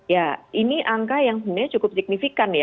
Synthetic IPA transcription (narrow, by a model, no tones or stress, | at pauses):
jaʔiniʔaŋkajaŋsənaɲat͡ʃukʊp̚sik̚nifikanja